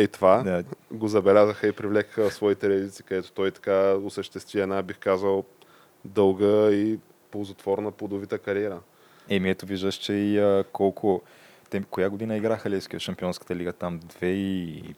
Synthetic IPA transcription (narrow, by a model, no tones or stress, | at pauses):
ɛt̪ovad̪aɡozɐbɛlʲazəxəipɾivlɛkə̥xəsvɔit̪ɛɾɛɐd̪it̪si̥kɐd̪ɛt̪o̥t̪ɔjit̪ɐ̥kaosəʃt̪ɛst̪viɛnabixkazəlˠ | d̪ɤlˠɡəi | polˠzot̪vɔɾnəpod̪ovit̪əkɐɾiɛɾə | ɛmiɛt̪oviʒd̪əʃt͡ʃɛiəkɔlˠkʰʊ | t̪ɛkʊjaɡod̪inəiɡɾaxəlʲɛskiʃɐmpiɔnskə̥t̪əliɡət̪amd̪vɛi